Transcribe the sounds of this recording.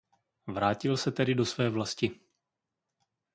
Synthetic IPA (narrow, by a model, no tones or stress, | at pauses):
vɾaːcɪlsɛt̪ɛdɪdo̞svɛːvlascɪ